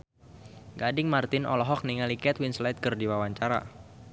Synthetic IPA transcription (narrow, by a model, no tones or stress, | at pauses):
ɡadɪŋmart̪ɪnʔɔ̰lɔɦɔk̚niŋalikɛt̪winslat̪̚kərdiwawaɲt͡ʃaɾa̰